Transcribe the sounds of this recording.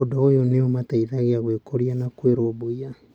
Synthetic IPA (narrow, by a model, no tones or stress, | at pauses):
odaojoneomataiðaɣeaɣwekoɾianakweɾoboia